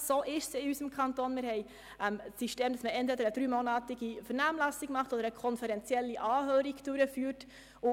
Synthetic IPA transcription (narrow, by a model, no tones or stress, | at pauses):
soːʔɪʃsɪysəmkʰɑntoːnmɪɾhɛɪ | ʔəmsiʃteːmd̥ɑsməʔɛntʋedəɾəd̥ɾyːmonɑːtɪɡifəɾnaːmlæsɪɡmɑχtodəɾəkʰɔnfɛɾɛnt͡sjɛlːiʔɑːhøːɾɪɡ̥d̥ʊɾəfyːɾt | ʊ